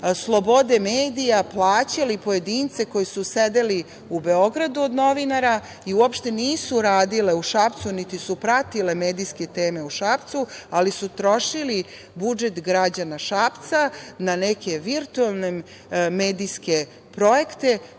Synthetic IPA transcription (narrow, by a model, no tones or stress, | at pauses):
slˠo̞bo̞d̪e̞meːd̪ijaplˠaːt͡ɕalipo̞je̞d̪iːnt̪se̞ko̞jisused̪eli | ube̞o̞ɡɾad̪uod̪no̞ʋinaɾa | iuopʃt̪e̞niːsuɾaːd̪ile̞uʃapt̪sunit̪isupɾat̪ile̞meːd̪ijske̞t̪eːme̞uʃapt̪sualisut̪ɾo̞ʃili | bud͡ʒe̞t̪ɡɾad͡ʑanaʃaːpt̪sananeke̞ʋiɾt̪uelˠne | me̞ːd̪iske̞ | pɾo̞je̞kt̪e̞